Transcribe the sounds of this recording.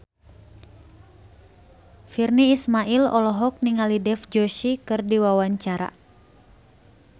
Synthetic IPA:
firniːsmaʔilɔ̰lɔɦɔk̚niŋalidɛfd͡ʒɔʃikɨrdiwawaɲt͡ʃaɾa̰

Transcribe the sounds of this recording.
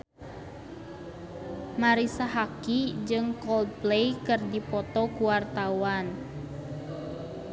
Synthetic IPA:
maɾisaɦakid͡ʒɨŋkɔld̚plejkɨrdipɔt̪ɔkuwart̪awan

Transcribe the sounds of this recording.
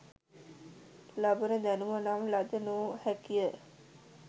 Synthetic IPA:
labənəd̪ænumənaːmlad̪ənuːhækijə

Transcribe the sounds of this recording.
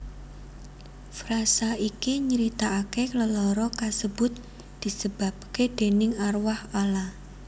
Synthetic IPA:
fɾasaikiɲəɾit̪aʔːkekləlɔɾɔkasəbʊt̪̚ | d̪̥i̤səb̥a̤p̚ked̪̥e̤nɪŋarwahala

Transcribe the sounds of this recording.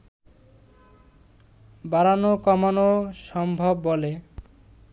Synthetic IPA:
baɾanokɔmanoʃɔmbʱobːole

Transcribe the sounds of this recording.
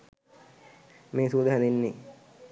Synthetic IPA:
meːsuːd̪əɦaninːi

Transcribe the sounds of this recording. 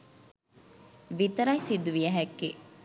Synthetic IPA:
ʋit̪ɐɾɐjsid̪uʋiɐɦækːe

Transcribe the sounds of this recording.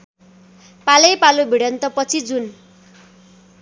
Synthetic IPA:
palʌjpalobʱiɽʌnt̪ʌpʌt͡sʰid͡zun

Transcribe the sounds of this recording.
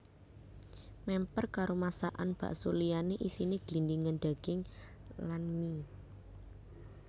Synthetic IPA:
mɛmpərkaɾomasaʔanb̥a̤̰ʔsulijaneʔisineɡ̥lindiŋənɖ̪̥a̤ɡ̥ɪŋ | lanmi

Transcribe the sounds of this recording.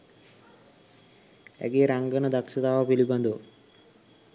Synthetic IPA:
ɛ̰ɡeɾaŋɡɐnəd̪ɐkʂɐt̪aːʋɐpilibɐnd̪u

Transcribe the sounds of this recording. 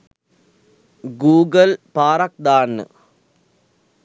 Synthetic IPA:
ɡuːɡɐlpaːɾɐk̚d̪aːnːɨ̰

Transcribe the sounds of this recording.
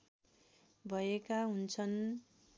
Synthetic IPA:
bʱʌjekaɦunt͡sʰʌn

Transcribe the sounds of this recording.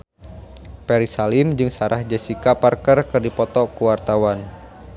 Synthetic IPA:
pɛɾisalɪmd͡ʒɨŋsaɾʔahd͡ʒəsikaparkərkɨrdipɔt̪ɔkuwart̪awan

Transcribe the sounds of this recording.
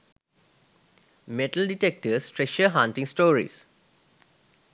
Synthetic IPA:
meʈəlɖiʈek̚ʈəsʈɾeʃəɦãnʈĩŋsʈoːɾḭs

